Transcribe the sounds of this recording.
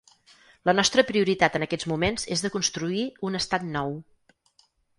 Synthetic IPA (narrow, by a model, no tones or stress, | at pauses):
lənɔst̪ɾəpɾiuɾit̪at̪ənəkɛd͡zmumenzezðəkunst̪ɾuiunəst̪at̪nɔw